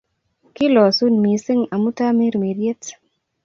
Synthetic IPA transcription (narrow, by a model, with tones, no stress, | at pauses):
kɪ˦lɔ˨su˦nmi˨sɪ˦ŋa˨mu˦ta˦me˦ɾme˨ɾje˦t